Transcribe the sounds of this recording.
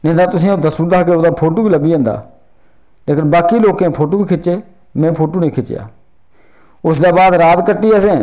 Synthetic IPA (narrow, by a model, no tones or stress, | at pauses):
nẽːnd̪aːt̪ʊsĩːoːd̪əsuːd̪aːkeːoːd̪aːpʰoːʈoːbiːləbiːə̃nd̪a̰ː | leːkənbaːkiːloːkẽpʰoːʈoːbiːkʰɪt͡ʃeː | mɛ̃ːpʰoːʈoːnẽːkʰɪt͡ʃja̰ː | ʊsd̪aːbaːd̪ɾaːt̪kəʈːiːəsẽː